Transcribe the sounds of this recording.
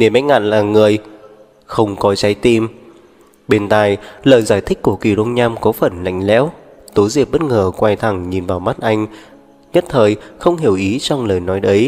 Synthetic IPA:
ne˨˧˩mɛ̰̟˦˥ŋa̰ː˧˨nlaː˨˩ŋɨ˨˩əj | xə˧wŋ͡mkɔ˨˦t͡ɕa˨˦jt̪i˧m | ɓe˧nt̪a̰ː˧˨jləː˨˩jzaː˧˩jt̪ʰï˦˥k̟̚ku˧˩əki˨˩ɗo˧ŋ͡mɲaː˧mkɔ˨˦fə˨˧˩nla̰˧˨jŋ̟lɛ̰˧˥w | t̪o˨˦jzi˨˩əp̚ɓə˦˥t̚ŋəː˨˩kwa˧jt̪ʰa˨˩ŋɲi˨˩nvaː˨˩wma˦˥t̚ʔa˧jŋ̟ | ɲə˦˥t̚t̪ʰəː˨˩jxə˧wŋ͡mɦi˧˩əwʔi˨˦t͡ɕɔ˧wŋ͡mləː˨˩jnɔ˨˦jɗə˨˦j

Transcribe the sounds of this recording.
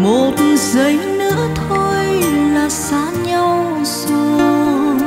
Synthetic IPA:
mo˨˩t̚zə˨˦jnɨ̰˧˥ət̪ʰo˧jlaː˨˩saː˧˦ɲə˧w | so˧˦

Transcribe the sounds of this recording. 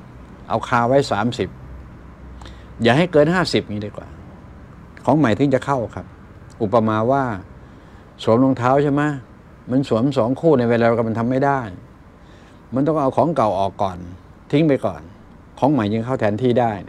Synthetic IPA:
ʔa̰˧wkʰaː˧wa˦˥jsaː˩˦msi˨˩p̚ | jaː˨˩ɦa˥˩jkɤː˧nɦaː˥˩si˨˩p̚ɲiː˧˥daː˧kwa̰ː˨˩ | kʰɔː˩˦ŋma˨˩jt̪ʰɯ˧˩ŋt͡ɕa˨˩kʰa˥˩wkʰa˦˥p̚ | ʔu˨˩pːa˧maː˧waː˥˩ | suː˨˩˦əmlo˧ŋt̪ʰaː˦˥wt͡ɕʰa˥˩ma˦˥ | ma˧nsu˩˦əmsɔ˨˦ŋkʰuː˥˩na˧jweː˧nlːkʰa˧˩ma˧nt̪ʰa˧mːa˥˩jda˥˩j | ma˧nt̪ɔ˥˩ŋʔa˧wkʰɔː˨˩˦ŋka˨˩wʔɔː˨˩kːɔː˨˩n | t̪ʰi˦˥ŋp̬a˧jkɔ̰ː˨˩n | kʰɔː˩˦ŋma˨˩jt͡ɕɯ˧ŋkʰa˥˩wt̪ʰɛː˧˥nt̪ʰiː˥˩daː˥˩j

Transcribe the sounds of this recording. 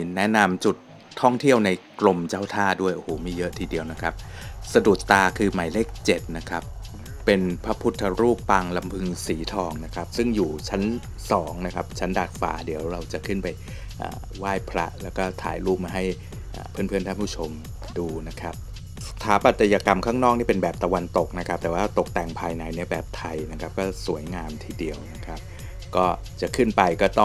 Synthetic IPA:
nɛ˦˥na˧mt͡ɕu˨˩t̪ʰː | ɔ˥˩ŋt̪ʰi˥əwna˧jklo˧mt͡ɕaː˥˩wt̪ʰaː˥˩du˥˩əjʔo˧hoː˩˦miː˥˩jɤ˦˥ʔt̪ʰiː˧di˧əwna˦˥kʰa˦˥p̚sa˧du˨˩ə˩k̚t̪aː˧kʰɯː˧ma˨˩˦jleː˥˩k̚t͡ɕe˨˩t̪̚na˦˥kʰa˦˥p̚ː | e˧npʰa˦˥pʰu˦˥t̪ʰːa˧ɾuː˥˩pːa˧ŋla˧mpʰɯ˧ŋsiː˩˦t̪ʰɔː˧ŋna˦˥kʰa˦˥p̚sɯ˥˩ŋjuː˨˩t͡ɕʰa˦˥n | sɔː˩˦ŋna˦˥kʰa˦˥p̚t͡ɕʰa˦˥ndaː˨˩t̪̚fa̰ː˨˦di˨˩˦əwɾa˧wt͡ɕa˨˩kʰɯ˥˩npa˧j | ʔa̰ː˨˩ | waː˥˩jpʰɾa̰˦˥ʔlɛː˦˥wkɔː˥˩t̪ʰaː˩˦jɾuː˥˩p̚maː˧ɦa˥˩j | ʔa̰ː˨˩pʰɯ˥˩npʰɯ˥˩ənt̪a˥˩pʰuː˥˩t͡ɕʰo˧m | duː˧na˦˥kʰa˦˥p̚ | t̪ʰaː˨˦pa˨˩t̪ːa˧jaː˧ka˧mkʰaː˥˩ŋnɔː˥˩k̚ni˥˩pe˧nbɛː˨˩p̚t̪a˧wa˧nt̪o˨˩k̚na˦˥kʰa˦˥p̚t̪ɛː˨˩waː˥˧t̪o˨˩k̚t̪ɛː˨˩ŋpʰaː˧jna˧jni˥˩ɐbɛː˨˩p̚t̪ʰa˧jna˦˥kʰa˦˥p̚kɔː˥˩su˨˩˦əjŋaː˧mt̪ʰiː˧˥˩di˧əwna˦˥kʰa˦˥p̚ | kɔː˥˩ | t͡ɕa˨˩kʰɯ˥˩npa˧jkɔː˥˩t̪ɔ˥˩

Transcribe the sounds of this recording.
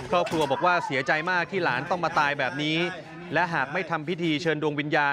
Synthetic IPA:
kʰɔː˥˩p̚kʰɾu˧ɐbɔː˨˩k̚waː˥˩si˨˩˦ɐt͡ɕa˧jmaː˥˩k̚t̪ʰiː˥˩laː˩˦nt̪ɔ˥˩ŋmaː˧t̪aː˧jbɛː˨˩p̚niː˦˥ | lɛ˦˥ɦaː˨˩k̚ma˥˩jt̪ʰa˧mpʰi˦˥t̪ʰiː˧t͡ɕʰɤː˧ndu˧əŋwi˧njaː˧

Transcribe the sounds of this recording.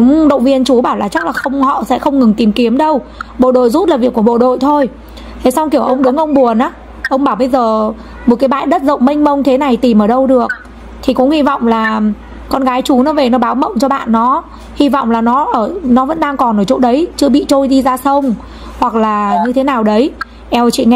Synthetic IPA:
ʊ˨˦ŋ͡mɗə̰˧˨wŋ͡mvi˧ənt͡ɕu˨˦ɓaː˧˩wlaː˨˩t͡ɕa˦˥k̚laː˨˩xə˧wŋ͡mhɔ̰˧˨sɛ̰˧˥xə˧wŋ͡mŋɨ˨˩ŋt̪i˨˩mki˨˦əmɗə˧w | ɓo̰˧˨ɗo̰˧˨jzu˦˥t̚laː˨˩vi˨˩əku˧˩əɓo̰˧˨ɗo̰˧˨jt̪ʰo˧j | t̪ʰe˨˦sa˧wŋ͡mki˧˩əwʔə˧wŋ͡mɗʊ˨˦ŋ͡mʔə˧wŋ͡mɓu˨˩ənʔaː˨˦ | ʔə˧wŋ͡mɓaː˧˩wɓə˧jzəː˨˩ | mo˨˩kaː˨˦jɓa̰ː˧˨jɗə˦˥t̚zə̰˧˨wŋ͡mmi˧ŋ̟mə˧wŋt̪ʰe˨˦na˨˩jt̪i˨˩mʔəː˧˩ɗə˧wɗɨ˨˩ək̚ | t̪ʰi˨˩kʊ̰˧˥ŋ͡mhi˧vɔ̰˧˨wŋ͡mlaː˨˩ | kɔ˧nɣaː˨˦jt͡ɕu˨˦nɔ˨˦ve˨˩nɔ˨˦ɓaː˨˦wmə̰˧˨wŋ͡mt͡ɕɔ˧ɓa̰ː˧˨nːɔ˨˦ | hi˧vɔ̰˧˨wŋ͡mlaː˨˩nɔ˨˦ʔəː˧˩nɔ˨˦və̰˧˥nɗaː˧ŋkɔ˨˩noː˧˩t͡ɕo̰˧˥ɗə˨˦jt͡ɕɨ˧əɓḭ˧˨t͡ɕo˧jɗi˧zaː˧sə˧wŋ͡m | hwa˨˩k̚laː˨˩ɲɨ˧t̪ʰe˨˦naː˨˩wɗə˨˦j | ʔɛ˧wt͡ɕḭ˧˨ŋ˧

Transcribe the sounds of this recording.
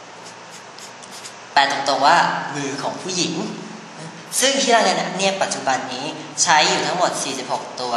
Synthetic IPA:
pɛː˨˩t̪o˧ŋt̪o˧ŋwaː˥˩mɯː˧kʰɔː˩˦ŋpʰuː˥˩ji˩˦ŋː˧˩ | sɯ˥˩ŋt̪ʰiː˥˩aː˥˩ŋa˧na˧˥t̪a˥˧ni˥˩əpːa˨˩t̪̚t͡ɕu˨˩ba˧nːiː˦˥t͡ɕʰa˦˥jːuː˨˩t̪ʰa˦˥ŋmo˨˩t̪̚siː˨˩si˨˩p̚ho˨˩k̚t̪u˧ɐ

